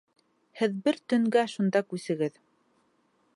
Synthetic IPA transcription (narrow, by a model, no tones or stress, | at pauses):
hɘðbɘɾt̪ɵ̆ŋɡæʃund̪ɑkʉsɘ̆ɡɘð